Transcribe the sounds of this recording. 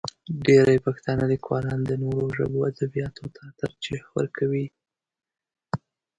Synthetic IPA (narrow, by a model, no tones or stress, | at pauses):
ɖeɾajpaxt̪ɑnəlikwɑlɑnd̪ənoɾoʒə̰boad̪abijɑt̪ʰot̪ʰat̪əɾt͡ʃexwə̰ɾkʰawi